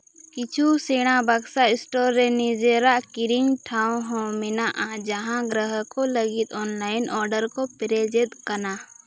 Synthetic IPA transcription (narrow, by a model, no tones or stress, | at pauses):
kit͡ʃʰuseːɽ̃ãbɐɡsaɪsʈoːɾenid͡ʒeɾaʔkɪɾiŋɡʈʰaːw̃ɦõmɪnaʔãd͡ʒɐɦãɡɾəɦəkolɐɡit̪ʰɔːnlaːɪnʔɔːɾɖəɾkopɪɾed͡ʒet̪kɐna